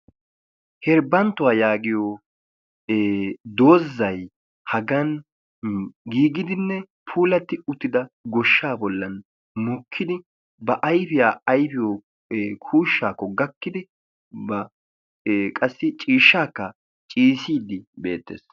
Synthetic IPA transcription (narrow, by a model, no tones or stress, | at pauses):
hɛɾbɐnt̪ːʊwaːjaːɡɪjo | d̪o̞ːzːɐj | hɐɡɐn | ɡiːɡɪd̪ɪnːɛ | pʰuːlɐt̪ːɪʊt̪ːɪd̪ɐɡɔʃːaːbɔlːɐn | mʊkʰːɪd̪ɪ | bɐʔɐjfɪjaːɐjfɪjɔː | kʰuːʃːaːkːɔɡɐkːɪd̪ɪ | bɐ | kʼɐsːɪt͡ʃʼiːʃːaːkːɐ | t͡ʃʼiːsiːd̪ɪbe̞̰ːt̪ːḛːs